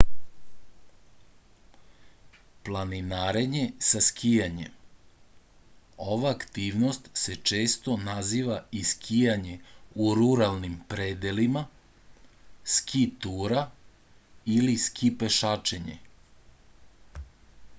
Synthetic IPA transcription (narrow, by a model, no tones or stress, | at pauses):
plˠaninaɾe̞ɲe̞saskʰijaɲe̞̰m | oʋaːkt̪iːʋnost̪se̞t͡ʃe̞ːst̪o̞naziːʋaiskʰijaɲe̞uɾuɾalnimpɾed̪elima | skʰit̪uːɾa | iliskʰipeʃat͡ʃeɲḛ